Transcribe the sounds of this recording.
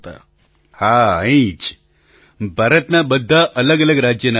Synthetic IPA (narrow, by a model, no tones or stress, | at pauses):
t̪a̰ | haːɐĩt͡ʃ | bʱɐɾɐt̪nabɐd̪ʱːaʔɐləɡɐləɡɾaːd͡ʒjɐna